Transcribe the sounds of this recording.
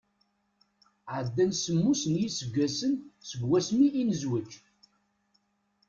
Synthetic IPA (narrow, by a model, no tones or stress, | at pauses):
ʕəd̪ːænsəmːusənjisəɡʷːæsənsəvwæsmiːnəzwət͡ʃː